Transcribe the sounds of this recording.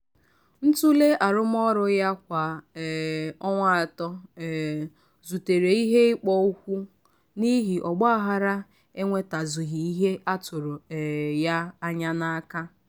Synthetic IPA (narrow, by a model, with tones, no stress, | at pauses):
n̩˦tu˦le˦a˨ɾʊ˦m˦ɔ˦ɾʊ˨ja˦kʷa˨ | ɔ˦ŋʷa˦a˨tɔ˦˨ | zu˨te˨ɾe˨i˦ɦe˦ɪ˦k͡pɔ˦u˦kʷu˦ | ni˦ɦi˨ʔɔ˨ɡ͡ba˦a˦ɦa˦ɾa˦ | e˦ŋʷe˦ta˨zʊ˨ɦi˨i˦ɦe˦ʔa˦tʊ˨ɾʊ˨ja˦a˦ɲa˦na˦ka˦